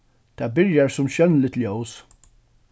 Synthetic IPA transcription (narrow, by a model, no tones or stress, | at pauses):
t̪ʰɛːbɪɾjaɹsʊmɕœnlɪt̪ljows